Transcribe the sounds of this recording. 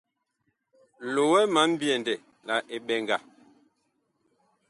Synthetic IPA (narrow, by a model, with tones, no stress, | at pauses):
lo˨wɛ˦ma˨˦m̩˦bjɛ˨ndɛ˨ | la˨ʔe˨ɓɛ˨ŋɡa˨